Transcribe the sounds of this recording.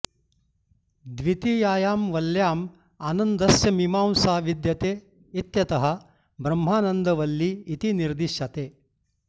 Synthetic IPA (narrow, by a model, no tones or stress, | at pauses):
d̪ʋit̪ijaːjaːmʋɐljaːm | aːnɐnd̪ɐsjɐmimaːmsaːʋid̪jɐt̪eː | it̪jɐt̪ɐɦɐ̆ | bɾɐmɦaːnɐnd̪ɐʋɐlːiːt̪iniɾd̪iʃjɐt̪eː